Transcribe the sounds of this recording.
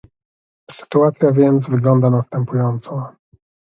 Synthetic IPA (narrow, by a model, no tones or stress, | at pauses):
sɘ̥t̪uat̪sʲjavʲjɛnd̪zvɘɡlɔnd̪anast̪ɛmpujɔnt̪sɔ